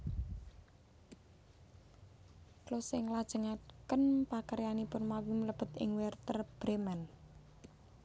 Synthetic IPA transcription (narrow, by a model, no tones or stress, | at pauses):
klosɪŋlad̥ʒ̥ə̤ŋakənpakəɾjanipʊnmawimələb̥ə̤t̪ɪ̰ŋwɛrt̪ərb̥ɾemɛn